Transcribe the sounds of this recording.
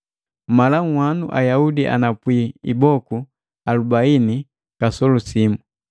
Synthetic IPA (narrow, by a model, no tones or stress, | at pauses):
malaŋ̩wanuʔa̰jaudiʔa̰napwiḭbɔku | alubaini | kasɔlusimu